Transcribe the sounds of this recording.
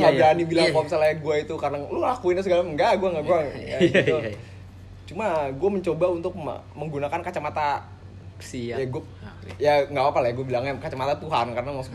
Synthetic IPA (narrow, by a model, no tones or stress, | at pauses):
ŋɡabɾanibilaŋpɔmsalaɛnɡuait̪ukarənaŋlulakuinasəɡalaŋɡaɡuaŋɡaɡuajaitu | t͡ʃumaɡuaməɲt͡ʃobaunt̪ʊk̚ | məŋɡunakankat͡ʃamat̪a | jaɡua | jaŋɡaapalajɡuabilaŋjakat͡ʃamat̪at̪uɦankaɾənamasʊ̥k